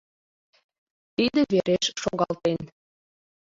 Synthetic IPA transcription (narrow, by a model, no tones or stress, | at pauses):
t̪id̪ə̆βeɾeʃʃoɣɑlt̪en